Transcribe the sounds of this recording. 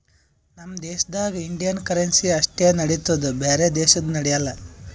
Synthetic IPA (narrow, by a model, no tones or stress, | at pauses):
nɐmːɐd̪eːʃɐd̪aːɡɐiɳɖijɐnkɐɾensiɐʂʈenɐɽit̪ːud̪ubeːɾed̪eːʃɐd̪unɐɽɛjɐlːɐ